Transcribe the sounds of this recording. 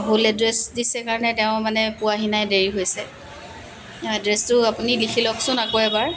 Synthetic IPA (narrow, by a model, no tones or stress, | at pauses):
bʱulɛdɹɛsdisɛkaɹɔnɛtɛʊ̃manɛpʊaɦinajdeɹiɦojsɛ | adɹɛstʊapunilikʰilɔksʊ̃nakoɛbaɹ